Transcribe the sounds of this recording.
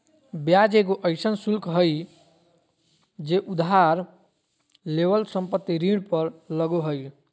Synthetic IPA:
bjad͡ʒeɡoʔəɪsənsulkʰɦəj | d͡ʒeʔud̪ɦaɾ | lebəlsəmpət̪ːiɾiɽpəɾləɡoɦəj

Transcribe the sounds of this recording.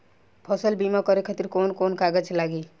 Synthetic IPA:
pʰʌsəlbimakʌɾekʰət̪iɾkonkonkaɡət͡ʃʰlaɡi

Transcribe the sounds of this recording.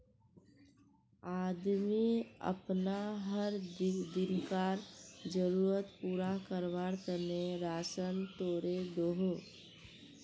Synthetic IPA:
aːd̪miə̰pnaɦəɾd̪ɪnkaːɾd͡ʒəɾuːɾət̪puːɾakəɾʋaːɾt̪əneɾaːsənt̪oːɾed̪oɦo

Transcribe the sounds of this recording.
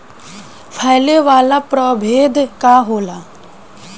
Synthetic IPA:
pʰajleʋaːlapɾɔːbʱeːd̪kaɦoːlaː

